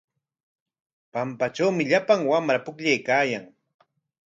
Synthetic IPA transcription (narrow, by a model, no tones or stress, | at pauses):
pampat͡ʃawmɪʎapaŋwamɾapʊkʎajkaːjaŋ